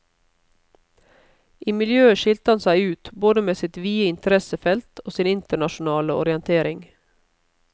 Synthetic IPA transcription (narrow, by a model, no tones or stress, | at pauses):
ʔiːmɪljøːəʃɪlt̪əhɑnsæɪʉːt̪boːd̪əmeːsɪt̪ʋiːəɪnt̪əɾɛsəfɛlt̪ʰoːsiːnɪnt̪əɳɑʃʊnɑːləɔ̰ɾɪɛnt̪ʰeːɾɪŋ